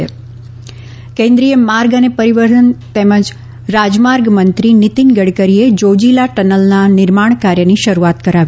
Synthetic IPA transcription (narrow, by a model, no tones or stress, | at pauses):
kẽnd̪ɾijəmaɾɡənepəɾiʋəɾd̪ənt̪eməd͡ʒ | ɾad͡ʒmaɾɡmənt̪ɾinit̪inɡəɽkəɾied͡ʒod͡ʒilaʈənəlnanɪɾmaɳ̃kaɾjəniʃəɾuat̪kəɾaʋ